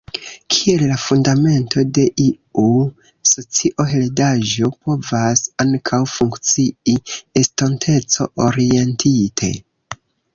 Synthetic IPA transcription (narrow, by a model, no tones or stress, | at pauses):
kʰie̞llafundame̞ntʰo̞de̞ʔi | u | so̞t͡siʔo̞ɦeledaʒo̞po̞vasaŋkʰawfuŋkt͡siiestontʰe̞t͡so̞ʔoɾie̞ntʰitʰḛ